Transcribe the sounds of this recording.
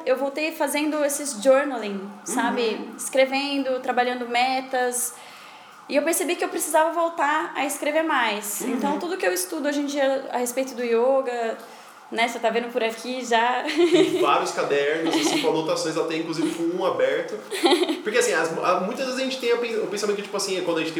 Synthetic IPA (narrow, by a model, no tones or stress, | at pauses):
ewvowt̪ejfazẽnd̪ʊesɪzd͡ʒoɾnalẽsabɪɪskɾevẽnd̪ʊt̪ɾabaʎɐ̃nd̪ʊmɛt̪ɐs | ɪewpeɾsebikɪewpɾesizavɐvowt̪aɾɐɪskɾeveɾmajsẽnt̪ɐ̃w̃t̪ud̪ʊkɪewɪst̪ud̪ʊojʒĩd͡ʒiɐa̰hespejt̪ʊd̪ʊioɡɐ | nɛset̪avẽnd̪ʊpʊɾakʰiʒa | vaɾjʊskad̪ɛɾnʊzeskõnot̪asõj̃zat̪ɛĩŋkluzivɪfojũabɛɾt̪ʊpʊɾkeasĩɐzmamũjt̪ɐzvezɐʒẽnt͡ʃɪt̪ẽj̃ɐpẽʊpẽsamẽt̪ʊkɪt͡ʃipʊasĩkwɐ̃d̪ʊɐʒẽt͡ʃɪt̪ẽ